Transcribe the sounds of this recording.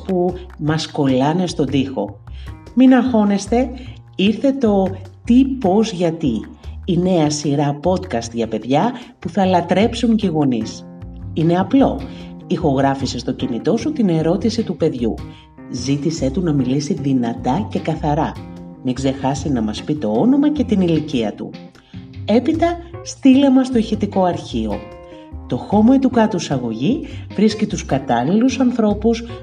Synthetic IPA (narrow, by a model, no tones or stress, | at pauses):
pumɐsko̞lɐne̞st̪o̞nd̪ixo̞minɐxo̞ne̞st̪e̞ | iɾθe̞t̪o̞t̪ipo̞zʝɐt̪iine̞ɐsiɾɐpo̞t̪kɐst̪ʝɐpe̞ðʝɐpuθɐlɐt̪ɾe̞psuɲceiɣo̞nis | ine̞ɐplo̞̰ | ixo̞ɣɾɐfisest̪o̞cinit̪o̞sut̪ine̞ɾo̞t̪isit̪upe̞ðʝṵ | zit̪ise̞t̪unɐmilisiðinɐt̪ɐce̞kɐθɐɾɐmiɡze̞xɐsinɐmɐspit̪o̞ono̞mɐce̞t̪iniliciɐt̪ṵ | e̞pit̪ɐst̪ile̞mɐst̪o̞içit̪iko̞ɐɾçio̞̰ | t̪o̞xo̞moet̪ukɐt̪usɐɣo̞ʝivɾiscit̪uskɐt̪ɐlilusɐnθɾo̞pus